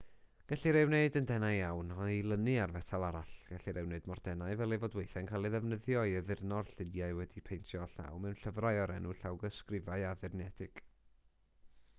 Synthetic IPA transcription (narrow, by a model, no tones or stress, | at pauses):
ɡ̥aɬiɾɛwneɨdəndɛnaɨawnɔilˠənɨarvɛtʰalˠaɾaɬɡ̥aɬiɾɛwneɨdmɔrdɛnaɨvɛlˠivoːdwejθɛnkʰaːlˠiðɛvnəðjɔɨəðɪrnɔrɬɪnjaɨwɛdipʰejntʰjɔɬa̰wmɛwnɬəvraɨɔɾɛnuɬawɡəskrɪvaɨaðɨrnɛd̥ɪɡ̥